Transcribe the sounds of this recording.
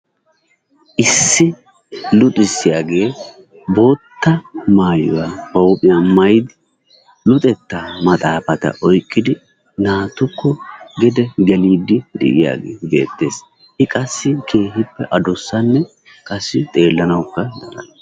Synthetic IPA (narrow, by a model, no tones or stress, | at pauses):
ʔɪsːɪ | lʊt̪ʼɪsːɪjaːɡe̞ː | bo̞ːt̪ːɐmaːjɔ̰wabɐwʊpʼɪjamɐjd̪ɪ | lʊt̪ʼɛt̪ːamɐt̪ʼaːfɐt̪ɐ̰ʔɔjkʼːɪd̪ɪ | naːt̪ʊkʰːɔɡɛd̪ɛɡɛliːd̪ɪd̪ɛ̰ʔɪja̰ːɡḛːbe̞̰ːt̪ːe̞ːs | ʔɪkʼɐsːɪkʰe̞ːhɪpːɛʔɐd̪ɔsːɐnːɛ | kʼɐsːɪt̪ʼe̞ːlːɐnɐwʊkːɐnɐ̰lɐ̰n